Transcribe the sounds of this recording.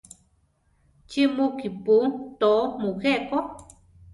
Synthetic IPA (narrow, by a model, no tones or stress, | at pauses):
t͡ʃimũkiput̪oʔmũheʔko